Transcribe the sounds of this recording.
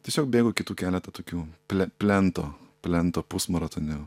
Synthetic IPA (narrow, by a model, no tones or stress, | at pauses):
t̪ʲiɛsʲoːk̚bʲeːɡokʲɪt̪uːkʲæːlʲɛt̪ɐt̪oːkʲuːpʲlʲɛpʲlʲɛnt̪oːpʲlʲɛnt̪oːpusmɐɾɐt̪onʲʊ